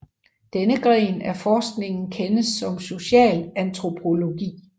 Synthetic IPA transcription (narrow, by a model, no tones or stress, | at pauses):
d̥enəɡ̥ʁɛ̰ːnæɐfɒːsɡ̥ne̝ŋn̩kʰenəsːɒ̽mso̝ɕɛ̰ːlænt͡sʰʁo̝pʰo̝lo̝ɡ̥ḭː